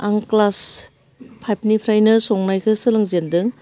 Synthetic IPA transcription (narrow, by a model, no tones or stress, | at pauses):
aŋklas | pʰajp̚nipʰɾajnɯsɔŋnajkʰɯsɯlɯŋzendɯŋ